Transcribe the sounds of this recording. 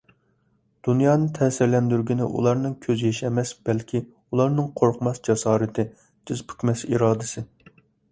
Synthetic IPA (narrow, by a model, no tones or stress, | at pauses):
d̪̥unjɑːnɨt̪ʰɛːsɪɾlɛnd̪yɾɡʲinɪ̰ʔṵlˠɑɾnɨŋkʲʰøzjeʃɛmɛsb̥ɛlkʲʰi | ulˠɑɾnɨŋqʰoɾqʰmɑsd͡ʒɑsɑːɾɪt̪ʰɪ | d̪̥ʰɪzpʰy̥kʲmɛsḭɾɑːd̪ɪsɪ